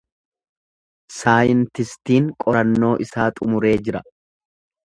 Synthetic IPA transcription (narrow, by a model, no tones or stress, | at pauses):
saːjɪnt̪ɪst̪iːŋkʼɔɾɐnːo̞ːʔɪsaːt̪ʼʊmʊɾe̞ːd͡ʒɪɾɐ